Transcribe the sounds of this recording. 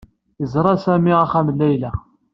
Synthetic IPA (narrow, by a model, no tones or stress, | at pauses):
əzɾˤɑsæmiæχæmlːæjlæ